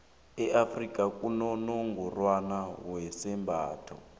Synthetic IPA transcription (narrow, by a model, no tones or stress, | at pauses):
ɛafrikʼakʼunɔnɔŋɡɔrwanawɛsɛmbʱa̰ːtʰɔ̰